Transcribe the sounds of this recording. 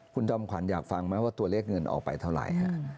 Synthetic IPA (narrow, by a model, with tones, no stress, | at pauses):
kʰu˧nt͡ɕɔ˧mkʰa˩˦njaː˨˩k̚fa˧ŋma˦˥waː˥˩t̪u˧ɐleː˥˩k̚ŋɤ˧nʔɔ̰ː˨˩k̚pa̰˧jt̪ʰa˥˩wɾa̰˨˩jkʰa̰˦˥ʔ